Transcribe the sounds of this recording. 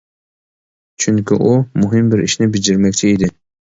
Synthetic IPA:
t͡ʃʰyŋkʲɪ̰ʔʊmʊɦɪmbɪɾɪ̰ʃnɪbɪd͡ʒɪɾmækʲt͡ʃʰɪid̪ɪ

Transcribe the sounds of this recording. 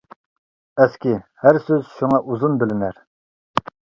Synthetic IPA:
ɛskʲihæɾsøz̥ʃuŋɑʔuzunbɪlɪnæɾ

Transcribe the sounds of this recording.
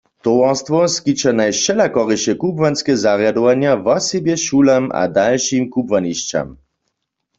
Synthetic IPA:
t̪ɔwast̪vɔskit͡ʃanajʃɛlakɔʁiʃɛkubvanskɛzaʁjadɔʋanjavɔsɛbjɛʃulamʔa̰dalʃimkubvaniʃt͡ʃa̰m

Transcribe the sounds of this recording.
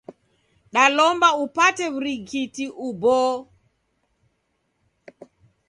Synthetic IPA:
ɗalɔmbaupatɛβɾiɡitiʔubɔ

